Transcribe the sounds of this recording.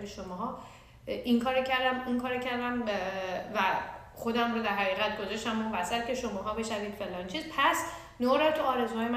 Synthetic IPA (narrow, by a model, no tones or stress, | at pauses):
beʃomɒːɦɒ | iŋkʰɒːɾocʰæɾd̪æmiŋkʰɒːɾocʰæɾd̪æm | væ | xo̞d̪æmɾoːd̪æɾɦæʁiːɣæt̪̚ɡozɒʃt̪æmbunbæsæt̪̚cʰe̞ʃomɒːɦɒːbe̞ʃæɾiːt̪felɒːnt͡ʃʰiːzpʰæs | noːɾɒt̪ʰuɒːɾe̞zuɦɒːjem